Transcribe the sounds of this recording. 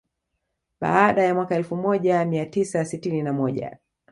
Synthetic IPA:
ɓa̰ːɗajamwakaɛlfumɔʄamiatisasitininamɔʄa̰

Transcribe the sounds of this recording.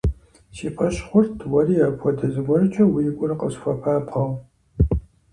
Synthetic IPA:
siːpʰɐɕχʷʊrtʰwɐriːaːkʷʰɔdɐzɨɡʷɔrɨt͡ʃʼɐwiːkʷʼʊrɨqʼəɕfʷɐpʰaːbʁɐw

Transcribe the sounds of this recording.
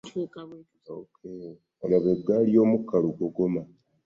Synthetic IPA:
okʰe | olaβeɡaːlio̞ːmukːaluɡoɡo̞ma

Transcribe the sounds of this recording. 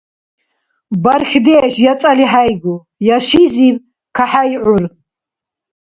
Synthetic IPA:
baɾxd̪ɛːʃjat͡sʼaliɦajɡu | jaʃiziv | kʰaħajʕuɾ

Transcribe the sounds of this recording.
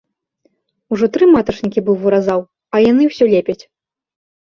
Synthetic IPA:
uʐɔt̪ɾɨmat̪ɐt͡ʂnʲikʲibɨwvuɾazaw | ɐjanɨwsʲɔlʲɛpʲɐt͡sʲ

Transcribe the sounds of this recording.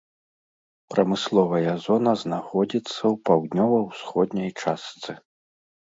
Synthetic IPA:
pɾɐmɨslˠɔvɐjɐzɔnɐznaxɔd͡zʲit̪sːɐwpawd̪nʲɔvɐwsxɔd̪nʲɐjt͡ʂast̪sɨ

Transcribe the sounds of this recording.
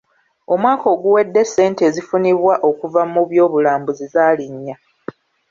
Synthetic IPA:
o̞mwaːko̞ːɡuwe̞dːe̞sːe̞ːntezifuniβwaʔo̞kuvamuβjo̞ːβulaːmbuzizaːliɲːa

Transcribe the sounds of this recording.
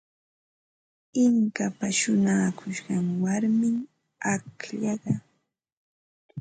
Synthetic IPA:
ɪŋkapaʃʊnaːkʰʊʃɢɑŋwaɾmɪŋ | akʎɑɢɑ

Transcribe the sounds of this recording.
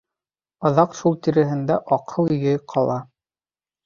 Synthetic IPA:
ɑðɑqʃulˠt̪iɾɘ̆ɦɘ̆nd̪æʔɑqʰɤlˠɵ̆jɘjqʰɑlˠɑ

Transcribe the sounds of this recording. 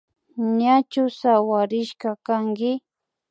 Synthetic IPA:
ɲat͡ʃʊsawaɾɪʃkakaŋɡɪ

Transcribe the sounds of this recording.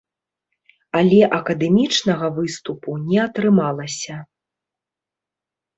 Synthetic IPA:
ɐlʲɛʔɐkɐd̪ɛmʲit͡ʂnɐɣɐvɨst̪upunʲɛɐt̪ɾɨmalˠɐsʲɐ

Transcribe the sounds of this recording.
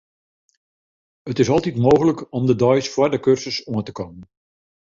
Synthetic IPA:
ətɪsɔlˠtitmoːɣələkɔmdədɔjsfwɔrdəkørsəsuəntəkɔmən

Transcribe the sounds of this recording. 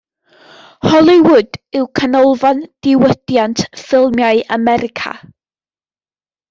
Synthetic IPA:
hɔlˠɪwʊdɪwkʰənɔlˠvand̥ɪwəd̥jantʰfɪlˠmjaɨʔamɛɾɪkʰa̰

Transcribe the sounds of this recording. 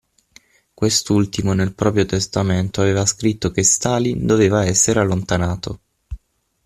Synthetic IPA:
kwest̪ult̪imonelpɾɔːpɾjot̪est̪ament̪oaveːvaskɾit̪ːokest̪aːlind̪oveːvaɛsːeɾealːont̪anaːt̪o

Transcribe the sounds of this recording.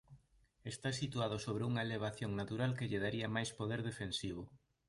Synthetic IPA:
est̪asit̪uað̞ʊsoβɾeuŋɐeleβ̞aθjoŋnat̪uɾalkeʎeðaɾiɐmajspoð̞eɾðefensiβ̞ʊ

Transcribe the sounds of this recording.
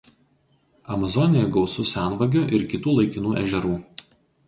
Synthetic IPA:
ɐmɐzɔnʲɪjɛɡɒʊsʊsʲæˑnʋɐɡʲoːʔɪɾkʲɪt̪uːlˠɐɪkʲɪnuːʔɛ̰ʒʲɛɾuː

